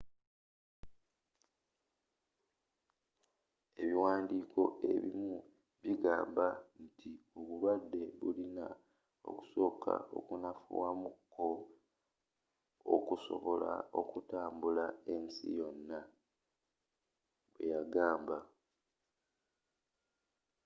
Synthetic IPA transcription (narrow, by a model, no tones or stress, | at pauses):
e̞βiwaːndiːkʰo̞ʔe̞̰βḭmu | βiɡaːmbantʰioβuβadːe̞βulina | o̞̰ku̥so̞ːkʰa̰o̞̰kunafṵwamukʰːo̞ | o̰kuso̞̰βo̞la̰o̞kutaːmbulae̞nsḭjo̞nːa | βwejaɡaːmba